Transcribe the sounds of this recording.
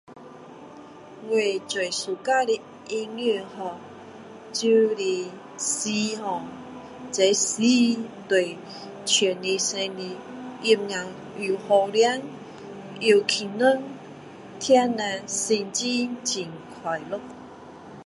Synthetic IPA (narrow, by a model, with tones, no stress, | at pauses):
wwe˨˩t͡swe˨˩jsu˨˩ka˦li˧ | i˧ni˥˧˨hɔ˧˩ | t͡ɕu˦li˧˩ | si˧hɔ˨˩ | t͡sa˨˧˦jsi˦t̪we˨˩ | t͡ɕʰɛ˨˩ni˧sẽ˧ni˧ | i˧m̚ɲã˨ | i˨˩˨hɔ˧lja˦ŋ | i˧˩kʰi˨nu˦n | t̪ʰja˦nã˧si˧nt͡ɕi˦t͡ɕi˨˩ŋkʰwa˨˩jlo˦˥k̚